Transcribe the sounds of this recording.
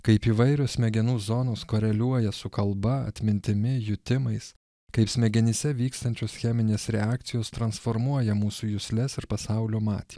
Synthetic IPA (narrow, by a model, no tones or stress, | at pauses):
kɐɪpiːʋɐɪɾʲoːsʲmʲɛɡʲɛnuːzonoːskoːɾʲɛlʲuɔjɛsʊkɐlˠbɐɐ̰t̪ʲmʲɪnʲt̪ʲɪmʲɪjʊt̪ʲɪmɐɪs | kɐɪpsʲmʲɛɡʲɛnʲɪsʲɛʋʲiːkst̪ɐnʲt͡ʃʲoːsxʲɛmʲɪnʲeːsɾʲɛɑːk̚t̪sʲɪjoːst̪ɾɐnsfoɾmuɔjɛmuːsuːjʊsʲlʲɛsɪɾpɐsɑˑʊlʲoːmɑ̰ːt̪ʲi̥